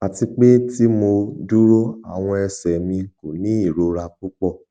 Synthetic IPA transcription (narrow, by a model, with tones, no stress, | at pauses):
a˨ti˧k͡pe˦ti˦mo˧du˦ɾo˦a̰˦˨w̃ɔ̃˧ɛ˧sɛ˨mĩ˧ko˨nĩ˨˦i˦˨ɾo˧ɾa˧k͡pu˦k͡pɔ˦˨